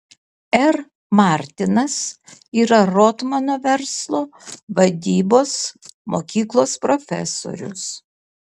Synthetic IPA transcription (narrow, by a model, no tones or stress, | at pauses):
ɛɾ | mɑˑɾʲt̪ʲɪnɐsiːɾɐɾot̪mɐnoːʋʲɛɾslˠoːʋɐd̪ʲiːboːsmoːkʲiːklˠoːspɾofʲɛ̰so̰ːɾʲʊ̰s